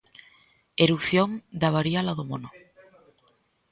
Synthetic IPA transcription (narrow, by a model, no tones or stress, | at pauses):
eɾuθjoŋd̪aβaɾialaðomono